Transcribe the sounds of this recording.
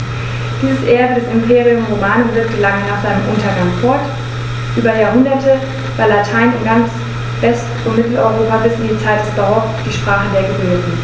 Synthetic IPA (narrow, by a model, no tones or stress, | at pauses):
d̥iːzəsʔeːɐbədɛsɪmpʰeːʁiʊmʁomaːnvɪɐk̚təlaŋənaːχz̥aɪnəmʔʊntɐɡaŋfɔɐt | ʔyːbɐjaːɐɦʊndɐtʰə | vaːɐlatʰaɪnɪnɡant͡s | vɛst | ʊntmɪtl̩ɔʏʁ̞oːpabɪsʔɪndiːt͡saɪt̚d̥ɛsd̥ɔɐfsd̥iːʃpʁ̥aːχədeːɐɡəbʏːtn̩